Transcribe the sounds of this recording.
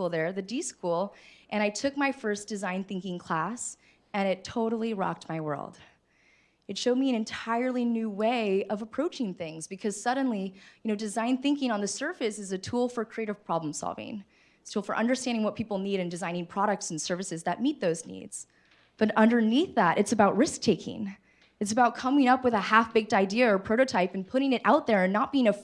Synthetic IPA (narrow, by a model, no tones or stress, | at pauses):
ulˠðə˞ðɨdiskulˠʔɨ̃ɾ̃aɪtʰʊk̚maɪfɜ˞sd̥ɨzãɪ̃nθɪ̃ŋkɪ̃ŋkʰl̥æs | ɨ̃ɾ̃ɨtʰoʊɾl̩ˠiɹɑ̰k̚t̚maɪwɜ̰˞lˠd̥ | ɨtʃoʊd̚miɨ̃ñɨ̃ntʰaɪə˞lˠinʉweɪʌvəpʰɹ̥oʊt͡ʃɪ̃ŋθɪ̃ŋzbɨkʰʌz̥sʌdⁿn̩lijɨñoʊdɨzãɪ̃nθɪ̃ŋkɪ̃ŋə̃nðɨsɜ˞fɨsɨzɨtʰulˠfə˞kʰɹ̥ieɪɾɨv̥pʰɹ̥ɑblə̃m̩sɑ̰lˠvɪ̰̃ŋ | tstʰulˠfə̰˞ʔʌ̃ndə˞stæ̃ndɪ̃ŋwʌt̚pʰipl̩ˠniɾɨ̃ndɨzãɪ̃ñɪ̃ŋpʰɹ̥ɑɾɨk̚tsn̩sɜ˞vɨsɨzðɨt̚mit̪̚ðoʊznḭdz̥ | b̥ʌɾʌ̃ndə˞niθðæɾʔɨtsɨbaʊt̚ɹɪsk̚tʰeɪkʰɪ̰̃ŋ | ɨtsɨbaʊt̚kʰʌ̃mɪ̃ŋʌpwɨðɨhæfb̥ɪk̚taɪdiɨə˞pʰɹ̥oʊɾoʊtʰaɪpn̩pʰʊɾɪ̃ŋɨɾʔa̰ʊt̪̚ðə˞ɨ̃nːət̚b̥iɪ̃ŋɨ